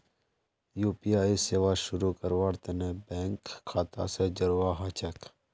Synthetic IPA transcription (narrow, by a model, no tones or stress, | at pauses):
juːpijaːiseːʋaʃʊɾukɐɾwaːɾt̪enebɛ̃ːŋkʰːaːt̪a̰ːsed͡ʒɐɾwaɦaːt͡ʃɐk